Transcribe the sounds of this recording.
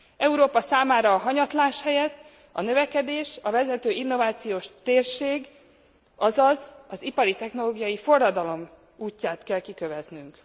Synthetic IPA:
ɛuɾoːpɒsaːmaːɾɒːɦɒɲɒt̪laːʃhɛjɛt̪ː | ɒ̰nø̞vɛkɛd̪eːʃɒvɛzɛt̪øːinːo̞vaːt̪sijoːʃt̪eːrʃeːɡ | ɒzɒzɒzipɒɾit̪ɛxno̞loːɡijɒjifo̞rːɒd̪ɒlo̞m | uːcːaːt̪kɛlkikøvɛznyŋk

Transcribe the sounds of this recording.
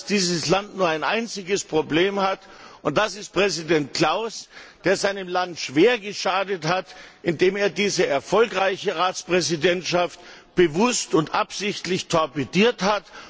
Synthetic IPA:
sd̥iːzəslantnuːɐaɪnʔa̰ɪnt͡sɪɡəspʁ̥obleːmhatʊnt̚d̥asɪst̚pʁ̥ɛzidɛnt̚kl̥aʊsd̥eːɐzaɪnəmlantʃv̥eːɐɡəʃaːdəthatʔɪndeːmeːɐdiːzəʔɛɐfɔlkʁaɪçəʁaːt͡spʁ̥ɛzidɛntʃaftb̥əvʊstʊntʔapz̥ɪçtlɪçtʰɔɐpediːɐthat

